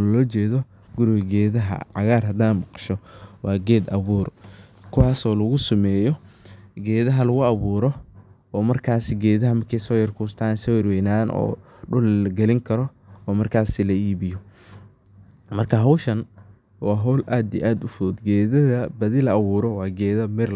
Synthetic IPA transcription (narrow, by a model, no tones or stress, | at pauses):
lɔːt͡ʃɛːðɔ | ɡʊɾɪɣɐɡɛːðɐɦɐ̰ʕɑɣaːrɦɐd̪aːnmɑqɑ̥ʃɔwɑːɡɛːd̪ɐβuːrkʰʊwɑːsɔːlɐɣʊsɐmɛːjɔɡɛːðɐɦɐlɐɣʊɑβuːɾɔ | ɔːmɐrkʰaːsɪɡɛːðɐɦɐmɐrkʰɛjsɔːjɐrkʰuːst̪ʰaːnsɔjɪrwɛjnaːnʔɔ̰ː | ɖʊlɐɡɛlɪŋkʰɐɾɔ | ɔːmɐrkʰaːsɪlɐiːβɪjɔ | mɐrkʰɐɦɐwʃɐn | wɑːɦɔwlʔaːd̪iʔaːd̪ʊfʊɔːd̪ɡɛːðɐðɐbɐðɪlɐɑβuːɾɔwɑːɡɛːðɐmɪr